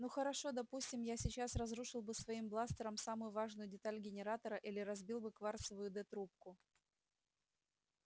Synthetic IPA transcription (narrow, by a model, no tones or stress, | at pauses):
nuxəɾɐʂo̞d̪ɐpusʲtʲɪmjasʲɪt͡ɕasrɐzɾuʂɨlˠbɨsvɐimblˠast̪əɾəmsamʊjʊvaʐnʊjʊdʲɪt̪alʲɡʲɪnʲɪɾat̪əɾəʔilʲɪɾɐzbʲilˠbɨkvart̪səvʊjʊd̪ɛt̪ɾup̚kʊ